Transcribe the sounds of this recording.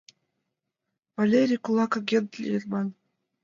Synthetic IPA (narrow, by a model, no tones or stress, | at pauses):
valʲeɾʲijkulˠɑkaɡʲent̪lʲḭrmɑn